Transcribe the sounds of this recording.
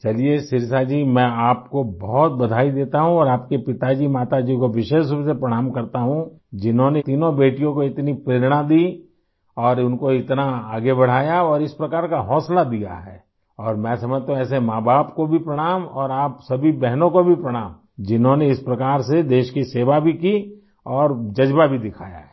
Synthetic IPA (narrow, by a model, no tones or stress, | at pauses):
t͡ʃɐlieʃɪɾsad͡ʒiːmɛ̃aːp̚kobɐɦʊt̪̚bɐd̪ʱaːid̪eːt̪aɦũɔːɾaːp̚kepɪt̪ad͡ʒiːmaːt̪ad͡ʒiːkoʋɪʃeːʃubsepɾɐɽ̃aːmkɐɾt̪aɦũ | d͡ʒɪnɦõnet̪iːnõbeːʈijõkoɪt̪nipɾeːɾɽ̃ad̪iː | ɔːɾʊnkoɪt̪naaːɡebɐɽ̤aːjaɔːɾɪspɾɐkaːɾkaɦɔːslad̪ija̰ɦɛ̰ː | ɔːɾmɛ̃ːsɐməd͡ʒt̪aɦũɛːs̬emãːbaːpkobʱipɾɐɽ̃aːmɔːɾaːpsɐbʱibɛɦnõkobʱipɾɐɽ̃aːm | d͡ʒɪnɦõneɪspɾɐkaːɾsed̪eːʃkiseːʋabʱiki | ɔːɾd͡ʒɐd͡ʒbabʱid̪ɪkʰaːja̰ɦɛ